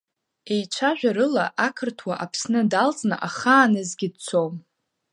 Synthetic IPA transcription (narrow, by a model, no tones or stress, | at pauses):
e̞jt͡ʃʷʰaʒᶣaɾɨlaʔakʰɨrtʰwaʔapʰsnɨdalt͡sʼnɨ̰ʔaχaːnɨzɡʲɪd̚t͡sʰom